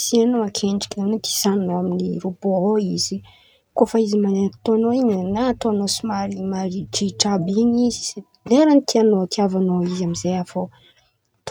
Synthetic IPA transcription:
sianoakʰeɳɖ͡ʐi̥kʲinanat̪ʰi̥zannoaminiɾupooizi | kofaizimanet̪oanoiɲənat̪oanosimalimaɾid͡ʒiʈ͡ʂabiɲizise | leɾanit̪ianot̪iavanoizamizejafo | t̪

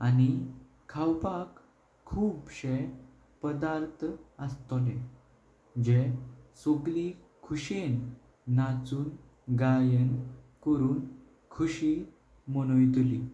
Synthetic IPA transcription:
ani | kʰawpakʰː | uːbɕe | pəd̪aɾt̪ʰəst̪ole | d͡ʑesoɡli | kʰuɕenː | at͡suːn | ɡajənkɔɾuːn | kʰuɕi | mənojt̪uli

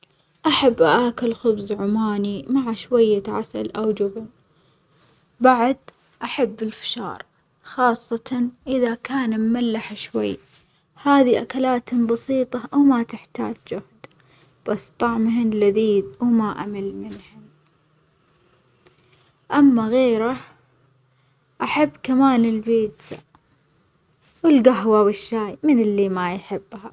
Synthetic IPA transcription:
ʔaħabːʔaʔaːkɪlxʊbzʕʊmaːnimaʕaʃwajːaʕa̰sa̰lʔawd͡ʒʊbn | baʕd̪ | ʔaħabːɪlfḁʃɑ̰ːɾˤ | xɑːsˤːɑt̪ʰɑnʔɪðakaːnmːalːaħaʃwa̰jː | haːðiʔakalaːt̪hʊmbɑsiːt̪ˤɑʔawmat̪ɪħt̪a̰ːd͡ʒd͡ʒʊhd̪ | b̥asːt̪ˤɑʕmɦɪnlaðiːd̪wmaʔa̰malmɪnhʊm | ʔamːaɣeːɾa | ʔaħabːkamaːnɪlbiːd̪sa̰ | wɪlɡaɦwawɪʃːaːjmɪnɪlːimajħɪbːha

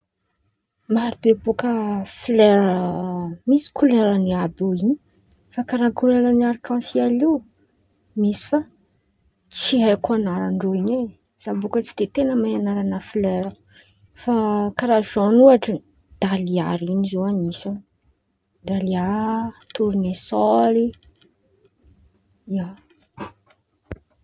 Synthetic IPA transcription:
maɾibebukəflɛɾəmisi̥kʰuleɾəniaboiɲifakaɾakuleɾəniaɾikɑ̃sialiw | misi̥fa | t͡siɦajkuanaɾaɳɖ͡ʐoiɲe | z̥abukət͡si̥d̪̥et̪enəmaanaɾanəfiløɾu̥ | fakaɾazanuaʈ͡ʂə | d̪̥alia̰ɾinizowanisan | d̪aliat̪uɾinesɔli | ia

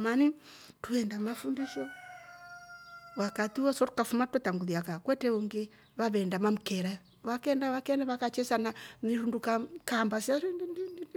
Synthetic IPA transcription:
mani | tuɛndamafundiʃɔ | wakat̪iwɔsɔtu̥kafumatataŋɡuðiakakwɛtɛuŋɡe | βaβɛndamamukɛɾa | βakɛndaβakɛndaβakat͡ʃɛsananiɾundukakambasjaɾininini

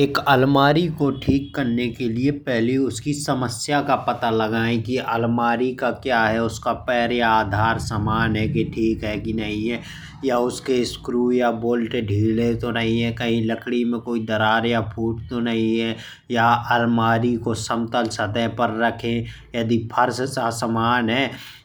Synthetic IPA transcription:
eːkɐlmaːɾikoʈʰiːkːɐɾnekeliepɛɦliʊskisɐməsjakapɐt̪alɐɡaːẽkiʔɐlmaːɾikakjaːɦɛʊskapɛːɾjaaːd̪ʱaːɾsamaːnɦɛkiʈʰiːkɦɛkinɐɦĩɦɛ | jaʊskeskɾuːjaboːlʈeɖʱiːlet̪onɐɦĩɦɛkɐɦĩləkɽimẽkoːid̪ɐɾaːɾjapʰuːʈ̚t̪onɐɦĩɦɛ | jaɐlmaːɾikosəmt̪əlsɐd̪əɦpəɾːɐkʰẽ | jəd̪ipʰəɾssasəmaːnɦɛː

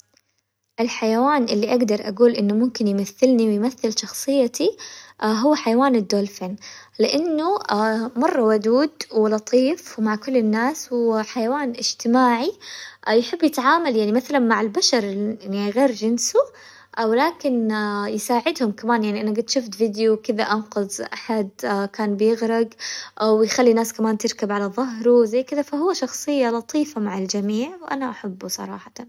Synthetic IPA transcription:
ʔɪlħajawaːnʔɪlːiʔaɡd̪ɑɾˤʔa̰ɡuːlʔɪnːʊmʊmkɪnjmaθːɪlniwɪjmaθːɪlʃɑxsˤɨjːat̪iɦʊwːħajawaːnɪd̪ːoːlfenlɪʔanːuamɑrˤːɑwʊd̪uːd̪wɪlɑt̪ˤiːfmaʕkʊlːɪnːaːswʊwːaħajawaːnʔɪd͡ʒt̪ɪmaːʕijħɪbːjɪt̪ʕaːmaljaʕnimaθalanmaʕɪlbaʃɑɾˤɪnɣeːɾd͡ʒɪnsu | wɪlaːkɪnjɪsaːʕɪd̪hʊmkamaːnjaʕniʔanaɡɪd̪ʃʊft̪vɪd̪jukɪðaʔɑnqʊzʔaħad̪kaːnbɪjɪɣɾɪɡʔawjxalːinaːskamaːnt̪ɪɾkabʕalaðˤɑɦɾuwzajːkɪðafaɦʊwːaʃɑxsˤɨjːalɑt̪ˤiːfamaʕald͡ʒamiːʕwʔanaʔaħabːusˤɑ̰ɾˤɑ̰ːħɑt̪ɑn

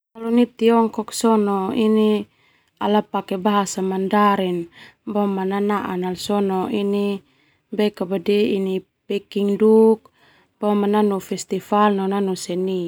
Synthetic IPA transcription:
kalunit̪iɔŋkɔksɔnɔini | alapakɛbaɦasamandaɾɛnbɔmananaʔanalsɔnɔini | bɛkabadɛini | pɛkiŋduk̚ | b̥ɔmananufɛst̪ifalnɔnanusɛni

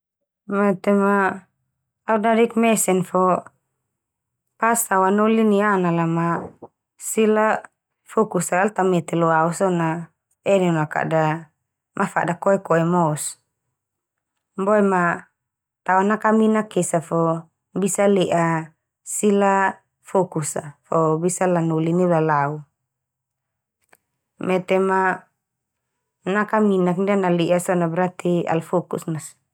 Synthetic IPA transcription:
mɛt̪ɛmaː | udadɛkmɛsɛnfɔ | pasawanolinianalama | sila | fɔkusaalt̪amɛt̪ɛlɔausɔna | ɛnɛnaka̰da | mʔafa̰dakɔɛkɔɛmɔs | mbɔɛma | t̪aunakaminakesafɔ | bisalɛʔa | sila | fokusafɔbisalanulinilalau | mɛt̪ɛma | nakaminakndianaliʔasɔnabɾat̪ia̰lfokusnas

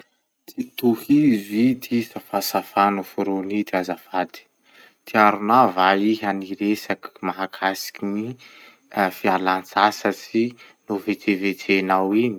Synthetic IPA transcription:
t̪it̪uhivit̪ʰisafasafanufuɾonit̪iazafad̪i̥ | t̪ʰiaɾunavaiɦaniɾesakmaɦakʰasi̥kini | fialant͡sasat͡sinuvet̪ʰevet̪ʰenawini̥

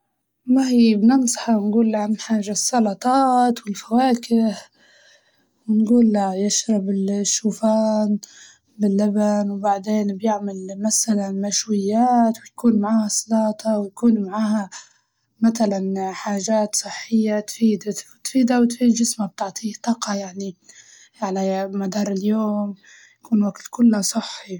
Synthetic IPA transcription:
mahiːbnɪnsˤɑ̥ħɑwnɡuːlːaʕamħaːʒasˤːɑlɑt̪ˤɑːt̪wɪlfawaːkɪh | wɪnɡuːlːajɪʃɾˤɑbɪlʃːuːfaːn | bɪlːabanwbaʕd̪eːnbjɪʕmalmasalanmaʃwɪjːaːt̪wɪjakuːnmaʕaːhasˤɑlɑːt̪ˤɑwjakuːnmaʕaːha | mat̪alanħaːʒaːt̪sˤɨħːɪjːat̪fiːd̪at̪fiːd̪awt̪fiːd̪d͡ʒɪsmab̚t̪ɪʕt̪ˤiːht̪ˤɑːqɑjaʕni | ʕalamad̪ɑːɾˤɪljoːm | jakuːnwaɡt̪kʊlːasˤɑħːi

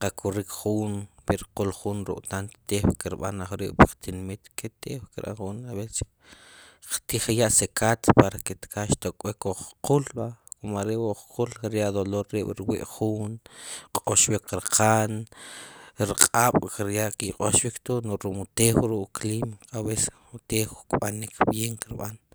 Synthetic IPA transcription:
qakʰuɾikχuːnpeɾqulχunɾṵʔʼt̪ant̪t̪ewkeɾɓa̰naχɾḭʔpaqt̪inmit̪ket̪ewkeɾʔa̰χunaβet͡ʃi̥ | qt̪iχjaʔsekʰat̪paɾaket̪kʰaʃt̪okʼwekoχqulɓakomaɾeʔwoχqulkiɾjaʔd̪oloɾːiɓ̥ɾwḭʔχuːnqʼoʃwikɾqʰan | ɾqʼaɓ̥kɾjaʔkiqʼoʃwikt̪onoʔɾumut̪exɾuʔklimaβes | ut̪exukʼɓanikʰbjeŋkiɾɓan

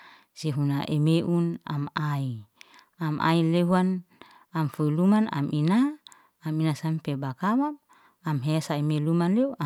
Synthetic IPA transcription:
seɦunaʔemeʔuna̰mai | amʔa̰ileɦuan | amfuilumana̰minaː | minasampebakawam | amɦesaemelumanleua

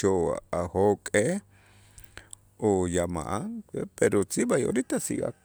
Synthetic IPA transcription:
oahokʼe | ojama̰ʔaŋepeɾot͡sibajo̰ɾit̪asḭʔa̰

